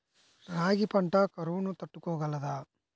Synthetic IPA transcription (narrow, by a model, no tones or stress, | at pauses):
ɾaːɡipɐɳʈɐkɐɾuʋunut̪ɐʈːukɔːɡɐlːɐd̪aː